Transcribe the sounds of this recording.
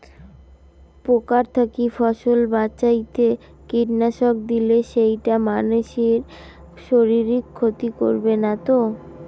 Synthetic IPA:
pokaɾt̪ʰakifɔʃolbaɕajt̪e | kiʈnaʃok̚d̪ileʃejʈamanuʃeɾ | ʃoɾiɾikʰːot̪ikoɾbenat̪o

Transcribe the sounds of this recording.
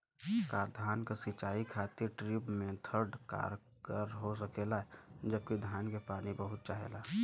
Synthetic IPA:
kaːɾd̪ʱaːnkasɪt͡ʃaːikʰaːt̪iɾʈɾibmẽt̪ʰəɾɖka̰ːɾ | kəɾɦos̬əkeːlaɦɛd͡ʒəb̚kid̪ʱaːnkepaːnibəɦʊt̪̚t͡ʃaːɦḛːla

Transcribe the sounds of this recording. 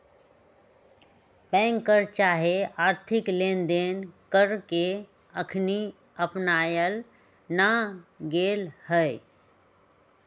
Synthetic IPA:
pɛ̃ŋkːəɾt͡ʃaɦeaɾt̪ʰiklend̪enkəɾke | əkʰni | əpnajəl | naɡelhəj

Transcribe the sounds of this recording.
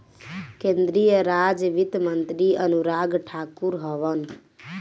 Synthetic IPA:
kẽnd̪ɾijəɾad͡ʒʋit̪mənt̪ɾiənuɾaɡʈʰakuɾɦəʋən

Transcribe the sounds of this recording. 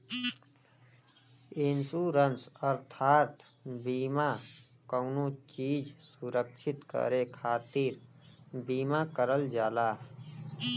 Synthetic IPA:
ensuɾənsəɾt̪ʰaːɾt̪ʰbiːmakəʊnut͡ʃiːd͡ʒsuɾəkʃʰɪt̪kə̰ɾekʰaːt̪iɾ | biːmakəɾəld͡ʒaːlaː

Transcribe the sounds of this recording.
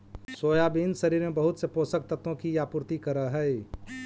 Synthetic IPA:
soːjabiːnsɐɾiːɾmẽbəɦʊt̪sepoːsək̚t̪ət̪õkijapʊɾt̪ikəɾəɦɛe

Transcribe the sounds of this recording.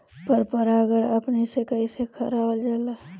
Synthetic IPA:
pəɾpəɾaɡəɽəpnesekəisekʰəɾaʋəld͡ʒaːla

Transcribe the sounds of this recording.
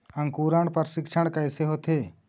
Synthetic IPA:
ɐŋkuːɾaɳpɐɾsɪkʃʰəɽ̃kɐjseɦot̪ʰeː

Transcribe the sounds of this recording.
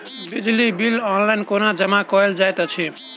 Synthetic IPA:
bid͡ʒlibilɔnlainkonad͡ʒʌmakɔeld͡ʒajt̪at͡ʃʰi

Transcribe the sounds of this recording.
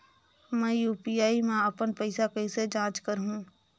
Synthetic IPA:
mɛ̃juːpijaːimẽəpənpəɪsakɐĩsed͡ʒãːt͡ʃkəɾɦũː

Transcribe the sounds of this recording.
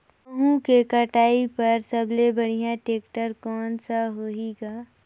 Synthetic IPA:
ɦũkekɐʈaːipɐɾsɐblebɐɽ̤ijãʈeːkʈəɾkɔːnsaɦoiːɡaː

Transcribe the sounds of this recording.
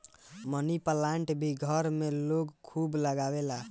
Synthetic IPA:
mənipəlaɳʈbʱiɡʱəɾmeloɡkʰubləɡabela

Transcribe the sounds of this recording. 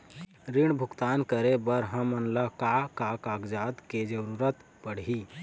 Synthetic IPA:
ɾiɽ̃bʱʊɡt̪aːnkəɾebəɾɦəmənləkakakaɡd͡ʒad̪ked͡ʒəɾuɾət̪ | pəɽ̤i

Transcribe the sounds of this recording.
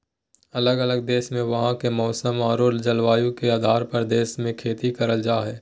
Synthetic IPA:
ɐləɡɐləɡ̚d̪eːʃmẽʋɐɦãkemɔːsəmaːɾoːld͡ʒɐlʋaːjũkeaːd̪ʱaːɾpɐɾd̪eːsmẽkʰeːt̪ikɐɾəld͡ʒaːɦɛː

